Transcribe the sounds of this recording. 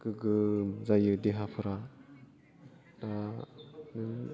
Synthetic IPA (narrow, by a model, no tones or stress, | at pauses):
kɯɡɯzajɯdeɦapʰɯɾa | da | nɯ